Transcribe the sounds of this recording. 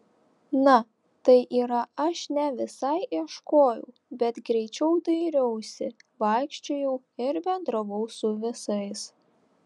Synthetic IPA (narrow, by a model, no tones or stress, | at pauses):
nɐ | t̪ɐɪʔiːɾɐɐʃnʲɛʋʲɪsɐɪʔiɛʃkoːjɛʊbʲɛt̪ɡɾʲɛɪt͡ʃʲɛʊd̪ɐɪɾʲɛʊsʲɪʋɐˑɪkʃʲt͡ʃʲojɛʊ | ɪɾbʲɛnd̪ɾɐʋɔʊsʊʋʲɪsɐɪs